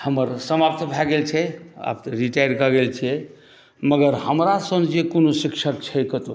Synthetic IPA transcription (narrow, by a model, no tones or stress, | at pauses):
həməɾsəmapt̪ʰbʱɛɡelt͡ʃʰɛa̰p̪ɾiʈajəɾkəɡelt͡ʃʰiɛ | məɡəɾhəmɾasə̃nd͡ʒekonosikt͡ʃʰəkt͡ʃʰɛjkət̪o